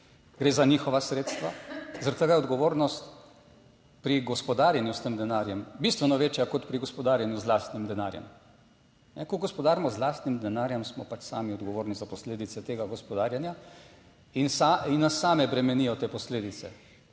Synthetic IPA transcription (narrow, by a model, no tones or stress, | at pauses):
ɡɾeːzaniːxɔʋasɾeːt̪st̪ʋa̰zaɾat̪t̪ːəɡaːjɛɔd̪ɡɔʋoːɾnɔst̪ | pɾiɡɔspɔd̪aːɾjanjust̪emd̪ɛnaːɾjɛmbist̪ʋɛnɔʋeːt͡ʃjakɔt̪pɾiɡɔspɔd̪aːɾjanjuzlaːst̪nimd̪ɛnaːɾjɛ̰m | nɛkɔɡɔspɔd̪aːɾmɔzlaːst̪nimd̪ɛnaːɾjɛmsmɔpat͡ʃsaːmiɔd̪ɡɔʋoːɾnizapɔsleːd̪it̪sɛt̪eːɡaɡɔspɔd̪aːɾjanja | insainːasːaːmɛbɾɛmɛnijɔt̪eːpɔsleːd̪it̪sɛ̰